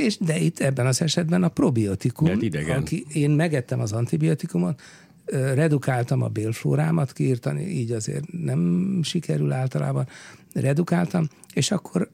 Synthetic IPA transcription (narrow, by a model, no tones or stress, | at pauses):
eːʃd̪ɛit̪ʰːɛbːɛnɒzɛʃɛd̪bɛnɒpro̞biot̪ikuid̪ɛɡɒkieːnmɛɡɛt̪ːɛmɒzɒnt̪ibio̞t̪ikumo̞t̪ | ørɛd̪ukaːlt̪ɒmɒ̰beːlflo̰ːɾaːmɒt̪kiːrt̪ɒnḭʔiːɟɒzḛːrt̪nɛmʃikɛɾylaːlt̪ɒlʔa̰ːbɒnrɛd̪ukaːlt̪ɒm | eːʃɒkːo̞r